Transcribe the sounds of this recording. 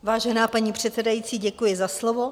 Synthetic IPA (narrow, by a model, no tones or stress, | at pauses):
vaːʒɛnaːpaɲiːpr̥ɛt̪sɛdajiːt͡siːɟɛkujɪzaslovo